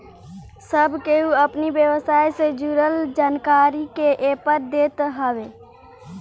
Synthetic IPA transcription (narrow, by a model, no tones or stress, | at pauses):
səbkeuɐpniʋjəwəsaːjsed͡ʒuɾəld͡ʒaːnkaːɾikeʔeːpəɾd̪eːt̪ɦɐʋeː